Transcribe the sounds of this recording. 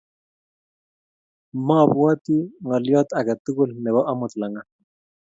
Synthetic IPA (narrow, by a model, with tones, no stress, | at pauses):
ma˦˨pwa˦t̪i˦ŋɔ˨ljɔ˦t̪a˨ka˨t̪u˦ku˦lnɛ˨βɔ˦ʔa˦mʊ˨t̪la˨ŋa˦